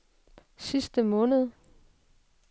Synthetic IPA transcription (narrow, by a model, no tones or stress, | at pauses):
sisd̥əmɔ̽ːnəð̞ˠ